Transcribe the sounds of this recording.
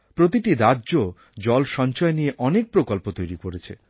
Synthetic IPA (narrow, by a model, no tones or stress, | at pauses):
pɾot̪iʈiɾadːʑo | d͡ʑɔlʃɔnt͡ɕɔenieʔɔnek̚pɾokolpot̪ojɾikoɾet͡ɕʰḛ